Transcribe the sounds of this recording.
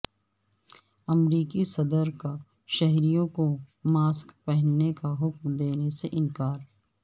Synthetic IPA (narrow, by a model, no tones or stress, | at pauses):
ɐmɾiːkisɐd̪əɾka | ʃɛɦɾijõkomaːskpɛɦnːekaɦʊkmd̪eːneseʔɪ̃nkaːɾ